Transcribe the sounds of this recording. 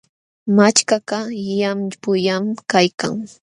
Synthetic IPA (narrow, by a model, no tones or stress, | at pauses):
mat͡ʃkaqɑjampʊjamkajka̰ŋ